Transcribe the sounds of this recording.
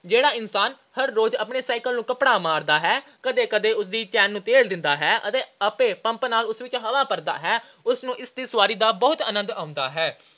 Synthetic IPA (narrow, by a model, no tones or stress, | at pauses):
d͡ʒeːɽaːɪnsaːn | həɾːoːd͡ʒəpɳeːsaːɪkəlnũːkəpɽaːmaːɾd̪aːɦɛːkəd̪eːkəd̪eːʊsd̪iːt͡ʃɛːnːũːt̪eːld̪ɪnd̪aːɦɛːʔə̰t̪eːəpẽːpə̃mpnaːlʊsʋɪt͡ʃɦəlaːpəɾd̪a̰ːɦɛː | ʊsnũːʔɪsd̪iːsʊʋaːɾiːd̪aːbɔːt̪ənə̃nd̪aːʊ̃nd̪a̰ːɦɛː